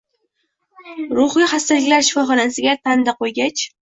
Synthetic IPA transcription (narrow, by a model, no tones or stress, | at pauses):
ɾʊχɨjχast̪alɪkʲlaɾʃɪ̥fɒχɒnasɪɡʲat̪ʰand̪aqʰojɡʲat͡ʃ